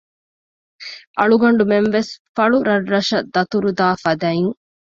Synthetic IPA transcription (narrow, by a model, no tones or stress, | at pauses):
ʔɐɭuɡɐɳɖumenʋesfɐɭuɾɐrːɐʃɐd̪ːɐt̪uɾud̪aːfɐd̪ɐiŋ